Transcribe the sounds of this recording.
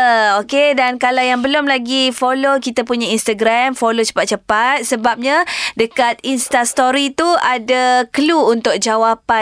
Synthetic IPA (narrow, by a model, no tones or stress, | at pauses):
əokedankalawjaŋbəlʊmlaɡifolokit̪apuɲainst̪aɡɾamfolot͡ʃə̥pat̪̚t͡ʃəpat̪̚səbap̚ɲãdəkat̪̚inst̪ast̪oɾit̪uadakəluːnt̪ʊk̚d͡ʒawapa